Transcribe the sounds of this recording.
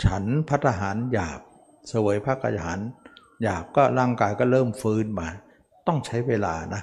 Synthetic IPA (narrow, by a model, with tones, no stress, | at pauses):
t͡ɕʰa˦˥npʰa˦˥t̪ʰːa˧ɦaː˩˦njaː˨˩p̚ | sa˧waː˩˦jpʰaː˦˥˩k̪̚ʰa̰˧jɦa̰ː˩˦n | jaː˨˩p̚kɔː˥˩laː˥˩ŋkaː˧jkɔː˥˩ɾɤː˥˩mfɯː˧˥nmaː˧˩ | t̪ɔ˥˩ŋt͡ɕʰa˦˥jweː˧la̰ː˧na˦˥